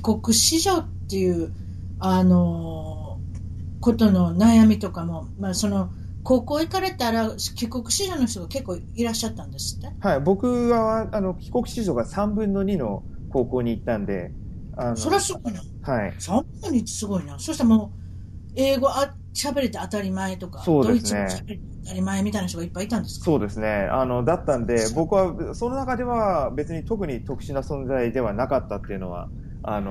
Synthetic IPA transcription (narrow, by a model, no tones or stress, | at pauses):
kʲi̥ko̞kɯ̟ɕiʑo̞t̪ːe̞jɯ̟ː | ano̞ | ko̞t̪o̞no̞najamʲit̪o̞kamo̞ | maso̞no̞ | ko̞ːko̞ːikaɾe̞t̪aɾakʲiko̞kɯ̟ɕiʑo̞ːno̞çʲit̪oɡake̞kːoː | iɾaɕːat̪ːãnd̪esɨ̥t̪ːe̞haibo̞kɯ̟ɡaβaːno̞kʲi̥ko̞kɯ̟̥ɕiʑo̞ːɡasãmbɯ̟̃nːo̞ɲ̟ino̞̰ | ko̞ːko̞ːɲ̟iːt̪ːãnd̪e̞̰ | anssoɾeasɨɡo̞ina | haisãm | ɯɲʲi̥sɨɡo̞inasoɕi̥t̪amoː | e̞ːɡo̞ʔa | ɕabe̞ɾe̞t̪eat̪aɾʲimae̞t̪o̞kaso̞ːd̪oe̞isɨneɕabe̞ɾet̪eat̪aɾʲimaemʲit̪ainaɕ̬t̪oɡaipːait̪ãnd̪e̞sɨ̥kso̞ːd̪e̞sɨne̞a̰no̞d̪at̪ːãnd̪e̞bo̞kɯ̟βaso̞no̞nakad̪e̞βabe̞t͡sɨɲ̟it̪o̞k̬ɯ̟ɲ̟it̪o̞kɯ̟̥ɕinasõ̞nd͡zaid̪e̞βanakat̪ːat̪ːe̞iɯ̟no̞̰βa̰ | ano